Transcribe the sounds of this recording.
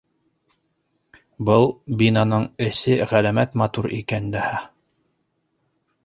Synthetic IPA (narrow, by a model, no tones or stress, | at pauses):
bɤlˠbinɑnɤɴɘ̆sɘʁælæmæt̪mɑt̪uɾḭkænd̪æhæ